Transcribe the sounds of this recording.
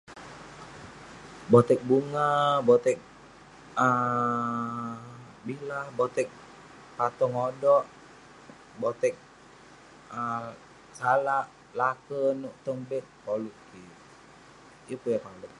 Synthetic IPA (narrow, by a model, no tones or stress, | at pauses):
bɔt̪ɛk̚buŋabɔt̪ɛk̚ | ə | bilahbɔt̪ɛk̚ | pat̪ɔŋodɔʔ | bɔt̪ɛk̚ | ə | salaʔ | lakənuʔt̪əŋbɛt̪̚poluʔki | jəpujapaluk̚